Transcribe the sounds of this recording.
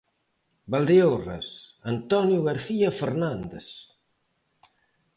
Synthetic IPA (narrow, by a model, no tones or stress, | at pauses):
bald̪eora̰sant̪ɔnjuɣaɾθiafeɾnand̪ḛs